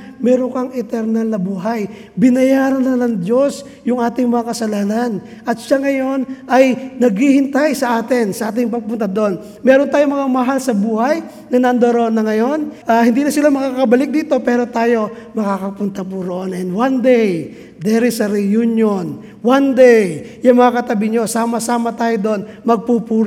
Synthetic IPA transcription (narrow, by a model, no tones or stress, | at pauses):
mɛɾoŋkɐŋɛt̪ɛɾnɐlnɐbuːɦaj | bɪnɐjaːɾɐnlanɐŋd̪jo̞s | jʊŋʔaːt̪ɪŋmɐŋakɐsɐlaːnan | ʔɐt̪̚ʃaŋɐjo̞nʔɐjnɐɡhihɪnt̪ajsɐʔaːt̪ɪnsɐʔaːt̪̬ɪŋpɐɡ̚pʊnt̪ɐd̪o̞n | mɛːɾont̪aːjomɐŋamɐɦalsɐbuːhaj | nɐnɐnd̪oɾoonːɐŋɐjo̞nʔahɪnd̪iːnɐsɪlamɐkakɐbɐlɪk̚d̪iːt̪o̞pɛːɾo̞t̪aːjo̞mɐkakɐpʊnt̪ɐpuɾoʔonʔɛnd̪wand̪ɛj | d̪ɛɾɪsɐɾɛjunjon | wand̪ɛj | jɐŋmɐŋakɐt̪ɐbɪɲo̞saːmɐsaːmɐt̪aːjod̪o̞nmɐɡ̚pupuːɾ